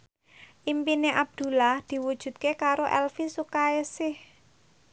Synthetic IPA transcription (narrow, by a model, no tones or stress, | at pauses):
ʔimpineʔab̚d̪̥ṳlahd̪̥i̤wud̥ʒ̥ṳd̪̚kekaɾoʔɛlfisukaesɪh